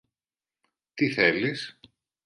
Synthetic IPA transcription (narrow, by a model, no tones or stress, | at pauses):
t̪iθelis